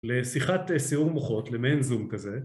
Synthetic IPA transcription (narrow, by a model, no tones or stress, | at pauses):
lesiχatesiuʁmoχo̞tlemenzumkaze